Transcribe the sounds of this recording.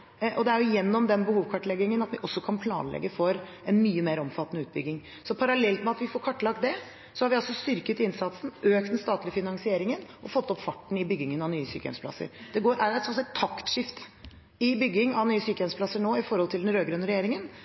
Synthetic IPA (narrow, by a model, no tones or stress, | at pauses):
ʔɔd̪ɛæɾjʊjɛnːɔmd̪ɛnbəhuːʋkʰɑʈːlɛɡɪŋənɑt̪ʋɪʔɔsːɔkʰɑnpʰlɑ̰ːnlɛ̰ɡːəfɔɾ | ɛnmyːəmeːɾɔmfɑt̪ːnəʉːt̪̚bʏ̰ɡːɪŋ | sɔpʰɑɾɑlɛlt̪mɛɑt̪ʋɪfɔɾkʰɑʈːlɑk̚t̪̚d̪ɛ | sɔhɑɾʋɪɑlsɔst̪ʏɾkət̪ɪnsɑt̪sn̩øːk̚t̪ɛnst̪ɑːt̪lɪəfɪnɑŋsɪeːɾɪŋənʔɔfɔt̪ːɔpfɑʈːɳ̩ɪbʏɡːɪŋənɑʋnyːəsy̰ːkəɛ̰msplɑ̰sːə̰ɾd̪̥ɛɡoːɾʔæɾjɛt̪sɔsɑɡt̪ʰːɑkt̪ʂɪft̪ | ɪbʏɡːɪŋɑʋnyːəsyːkəjɛmspʰlɑsːəɳoːɪfɔɾhɔlt̪ʰɪld̪ɛnɾøːɡɾʉnːəɾɛjeːɾɪŋən